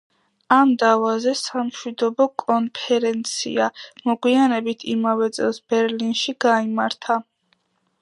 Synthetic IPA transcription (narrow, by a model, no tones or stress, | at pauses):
amd̪avazɛsamʃwid̪ɔbɔkʼɔnpʰɛɾɛnt̪sʰḭamɔɡwianɛbit̪ʰimavɛt̪sʼɛlˠsb̥ɛɾlinʃiɡ̥aimaɾt̪ʰa